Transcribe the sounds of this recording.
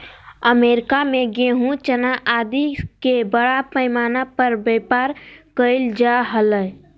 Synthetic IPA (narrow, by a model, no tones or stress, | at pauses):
əmeːɾɪkamẽɡeɦũt͡ʃənaʔaːd̪ikebəɽapəɪmaːnapəɾbepaːɾkəɪld͡ʒaɦələ